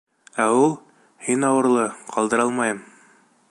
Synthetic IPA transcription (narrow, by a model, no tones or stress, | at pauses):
æulˠ | hinɑwɤ̆ɾlˠɤqʰɑlˠd̪ɤ̆ɾɑlˠmɑjɤm